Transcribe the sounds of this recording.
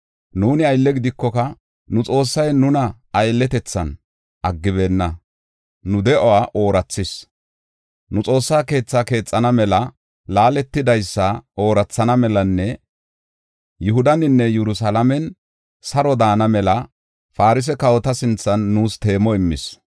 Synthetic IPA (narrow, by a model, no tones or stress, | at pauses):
nuːnɪɐjlːɛɡɪd̪ɪkːɔkɐ | nʊt͡sʼo̞ːsːɐjnʊnɐ | ɐjlːɛt̪ɛt͡sːɐ̰n | ʔɐɡːɪβe̞ːnːɐ | nʊd̪ɛʔɔwaːʔo̞ːɾɐt͡sːɪs | nʊt͡sʼo̞ːsːaːke̞ːt͡sːaːke̞ːt͡sʼːɐnɐmɛlɐ | laːlɛt̪ːɪd̪ɐjsːɐo̞ːɾɐt͡sːɐnɐmɛlɐnːɛ | jʊɦʊd̪ɐnɪnːɛjɛɾʊsalɐmɛn | sɐɾɔd̪aːnɐmɛlɐ | faːɾɪs̬ɛkɐwɔt̪ɐsɪnt͡sːɐnːuːst̪e̞ːmɔɪmːɪ̰s